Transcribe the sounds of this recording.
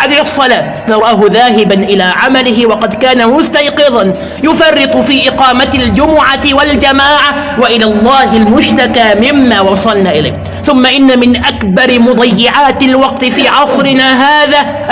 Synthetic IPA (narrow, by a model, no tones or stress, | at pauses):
ʕad̪sˤːɑlaː | nɑɾˤɑːɦʊðaːɦɪbanʔɪlaːʕamalɪɦɪwɑqɑd̪kaːnamʊst̪ajqɨðɑn | jʊfɑrˤːɨt̪ˤfiːʔɪqɑːmaald͡ʒʊmʊʕawald͡ʒamaːʕa | waʔɪlaːlˤːɑːhɪlmʊʃt̪akaːmɪmːaːwɑsˤɑlnaːʔɪla̰jːh | θʊmːaʔɪnːamɪnʔakbɑɾɪmʊd̪ˤɑjːɪʕaːt̪alwɑqt̪ɪfiːʕɑsˤɾɪnaːɦaːðaː | ʔ